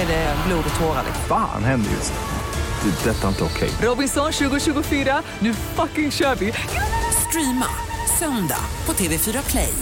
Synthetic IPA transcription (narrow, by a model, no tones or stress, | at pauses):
ɛdɛbluːd̪t̪ʰoːɾa̰lɪ̰fa̰ːnhɛnd̪ə̰jɵ̰st̪ | d̪̥ɛd̪ɛt̪ːaɪnt̪əɔkʰɛ̰jɾɔbɪnsɔnɕʉ̟ːɡʊɕʉ̟ːɡʊfyːɾa | nʉ̟ːfakːɪŋɕœːɾvɪst̪ɾiːma̰ | sœnd̪a̰pʰɔt̪ʰeːvefyːɾakʰlɛj